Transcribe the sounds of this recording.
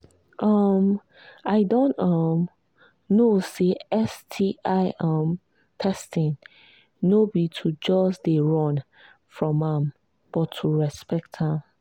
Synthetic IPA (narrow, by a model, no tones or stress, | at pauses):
ʔʌm | aɪdõntʌm | noseɛstʰiʔaɪʔam | tʰɛstɪ̃ŋ | nobitʰud͡ʒɔsdeɹɔ̃n | fɹɔ̃mãm | b̥ɔtʰːuɹɛspɛk̚tʰhãm